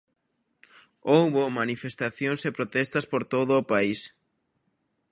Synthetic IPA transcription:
owβomanifest̪aθjõŋsepɾot̪ɛst̪aspoɾt̪oðoːpais

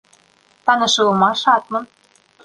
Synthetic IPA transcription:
pɑnɤ̆ʃɤɤmɑʃɑt̪mɤ̆n

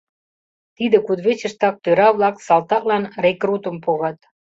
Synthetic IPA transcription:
t̪id̪ĕkud̪βet͡ɕə̆ʃt̪ɑk̚t̪øɾɑβlɑksɑlt̪ɑklɑnrekrut̪ə̆mpoɣɑt̪

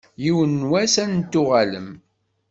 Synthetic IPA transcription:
jiwənːwæsænt̪ːʊʁalə̰m

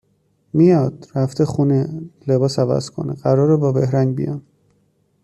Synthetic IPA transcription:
mijɒːd̪̥ɾæft̪ʰeχunele̞bɒːsævæ̰z̥kʰo̞̰nḛɢæɾɒːɾebɒːbe̞hɾænbḭjɒ̰n

